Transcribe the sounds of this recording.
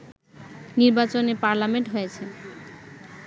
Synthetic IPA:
niɾbat͡ɕoneɾpaɾlameɳʈɦojet͡ɕʰe

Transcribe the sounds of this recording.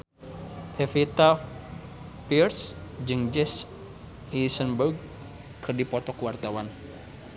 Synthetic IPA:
ʔɛfit̪a | pirsd͡ʒɨŋd͡ʒɛs | isənbəɡ̚ | kʰɨrdipɔt̪ɔkəwart̪awan

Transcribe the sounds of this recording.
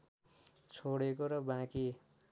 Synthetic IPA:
t͡sʰoɽekoɾʌbãki

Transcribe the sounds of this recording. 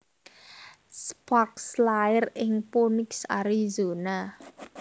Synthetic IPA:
spak̚slaɪrɪŋpunɪksa̰ɾizona

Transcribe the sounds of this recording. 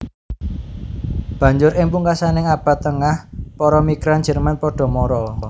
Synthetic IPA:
b̥ä̤ɲd͡ʒʊɾɪŋpuŋkasanɪŋab̥ä̤t̪ːəŋahpɔɾɔmiɡ̥ɾand̥ʒ̥ə̤rmanpɔɖ̥ɔ̤mɔɾɔ

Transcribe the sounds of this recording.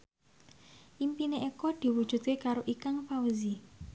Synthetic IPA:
ʔimpineʔekɔd̪̥i̤wud̥ʒ̥ṳd̪̥̚kekaɾoʔikaŋfauzi

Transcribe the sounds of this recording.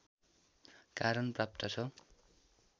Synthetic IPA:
kaɾʌnprap̚t̪ʌt͡sʰʌ

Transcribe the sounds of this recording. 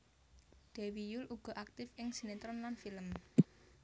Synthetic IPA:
d̪̥ɛwijʊlʔuɡ̥ɔ̤ʔak̚t̪ɪfɪŋsinet̪ɾɔnlanfiləm

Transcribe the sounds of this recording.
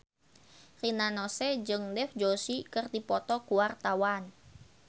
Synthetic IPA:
rinanɔsɛd͡ʒɨŋdɛfd͡ʒosikɨrdipɔt̪ɔkuwart̪awan

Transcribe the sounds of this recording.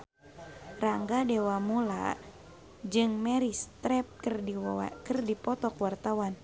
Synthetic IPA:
raŋɡadewamula̰ | d͡ʒɨŋmɛɾist̪ɾɛp̚krḭkɨrdipɔt̪ɔkwart̪awan

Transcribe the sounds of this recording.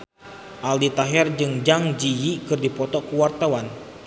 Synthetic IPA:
ʔaldit̪aɦɛrd͡ʒɨŋd͡ʒaŋd͡ʒijikɨrdipɔt̪ɔkuwart̪awan

